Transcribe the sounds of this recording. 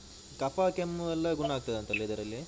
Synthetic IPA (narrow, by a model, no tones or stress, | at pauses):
kɐpakemɛlːɐɡuɳːaːɡ̚t̪ɐd̪eɐnt̪ɐlːiid̪ɐɾɐlːi